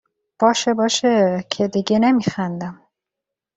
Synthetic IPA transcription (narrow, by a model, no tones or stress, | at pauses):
b̥ɒːʃebɒːʃecʰed̪iɟenemixænd̪æm